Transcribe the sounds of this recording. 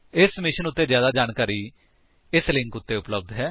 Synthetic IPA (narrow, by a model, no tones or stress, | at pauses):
ɪsmɪʃənʊt̪ːeːzjaːd̪aːd͡ʒaːnkaːɾiː | ɪslɪ̃ŋkʊt̪ːeːʊpləb̚d̪ɦɛː